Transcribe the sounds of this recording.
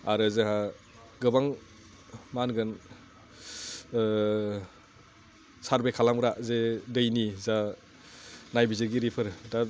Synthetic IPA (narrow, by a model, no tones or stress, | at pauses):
a̰ɾɯzeɦa | ɡɯbaŋ | manɡɯn | saɾbekʰalamɾazedɯjniza | najbizeɡiɾipʰəɾda